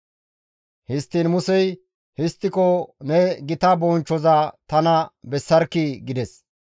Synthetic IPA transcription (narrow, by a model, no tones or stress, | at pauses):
hɪst̪ːinmʊsɛj | hɪst̪ːɪkɔnɛɡɪt̪ɐbɔnt͡ʃːɔzɐt̪ɐnɐbɛsːɐɾkːiɡɪd̪ɛs